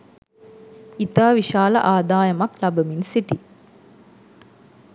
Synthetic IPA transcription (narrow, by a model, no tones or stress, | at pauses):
it̪aːʋiʃaːlɐʔaːd̪aːjɐmɐklabəminsiʈi